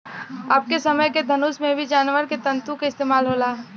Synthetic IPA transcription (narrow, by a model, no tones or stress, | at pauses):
aːp̚kesɐməjked̪ʱɐnuːsmẽbʱid͡ʒaːnʋəɾket̪ɐ̃nt̪ũkeɪst̪eːmaːlɦoːlaː